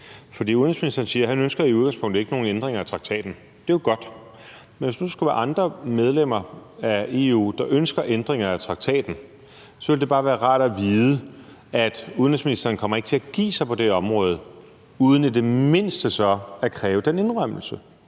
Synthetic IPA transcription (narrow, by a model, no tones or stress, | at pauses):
fɒdḭːuðˠnesminisd̥ɐːn̩siːɐɦænønsɡ̥ɐiuð̞ˠɡɑ̈ŋspʰɔ̽ŋ̰d̥̩ˠe̝ɡ̥əno̝ːn̩end̥ʁeŋɐæt͡sʰʁɑ̈ɡ̥̚t͡sʰɛ̰ːd̥n̩ | d̥e̝oɡ̥ɒ̽d̥ | menʋesd̥usɡ̥uʋæɐɑ̈nd̥ʁɐmeð̞ˠlem̰ɐæe̝ːṵːd̥ɑ̈ʔønsɡ̥ɐʔend̥ʁeŋɐæt͡sʰʁɑ̈ɡ̥̚t͡sʰɛ̰ːd̥n̩ | sɒ̽ʋe̝ld̥e̝b̥ɑ̈ːʋæːɐʁɑ̰̈ːd̥æʋiːðˠə | æd̥uðˠn̩esminisd̥ɐːnkʰɒ̽m̰ɐeɡ̥t͡sʰe̝æɡ̥ḭːsɑ̈ɪpʰɒ̽d̥eɒ̽mʁɔ̽ːð̞ˠ | uːð̞ˠn̩ed̥e̝me̝n̰sd̥əsɒ̽ækʰʁɛːʊəd̥ene̝nʁɶm̰l̩sə